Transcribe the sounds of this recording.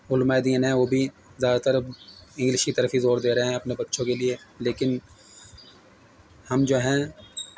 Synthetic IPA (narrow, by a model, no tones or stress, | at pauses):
ʊlmaːɪd̪iːənɦɛ̃ʋoːbʱi | zjaːd̪at̪əɾɪ̃ŋɡlɪʃkit̪ɐɾəfizoːɾd̪eːɾɐɦeɦɛ̃ɐpnebɐtːʃõkelieleːkɪn | hɐmd͡ʒoːɦɛ̃